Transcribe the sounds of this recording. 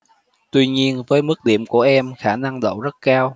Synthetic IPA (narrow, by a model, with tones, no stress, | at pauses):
t̪wi˧ɲi˧ənvəː˨˦jmɨ˦˥k̚ɗḭ˧˩əmku˧˩əʔɛ˧mxaː˧˩na˧ŋɗə̰˧˨wzə˦˥t̚kaː˧w